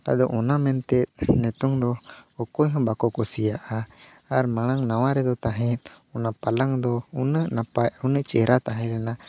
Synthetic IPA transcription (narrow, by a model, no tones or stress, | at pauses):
t̪a̰d̪ɔʔɔnamɛnt̪ɛt̪̚nɛt̪ɔŋd̪ɔɔkɔjɦɔ̃bakɔkɔsijaʔa | aɾmaɽ̃aŋnawaɾɛd̪ɔt̪aɦɛ̃t̪̚ | ɔnapalaŋd̪ɔunəʔnapaunəʔt͡ʃɛɾʔat̪aɦɛɾɛna